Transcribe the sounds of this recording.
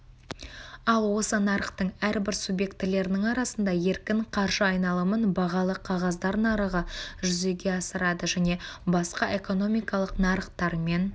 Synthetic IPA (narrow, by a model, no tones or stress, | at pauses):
ɑlˠwo̞sənɑɾəqt̪əɴæɾbɪɾsubje̞k̚t̪ːɪle̞ɾɪnɪŋɑɾɑsənd̪ɑje̞ɾkʲɪɴqʰɑɾʒəɑjnɑlˠəmənbɑʁɑlˠəqʰɑʁɑzd̪ɑɾnɑɾəʁəʒʏze̞ɡʲe̞ɑsəɾɑd̪əʒæne̞bɑsqɑʔe̞ko̞no̞mijkɑlˠəqnɑɾəqt̪ɑɾme̞n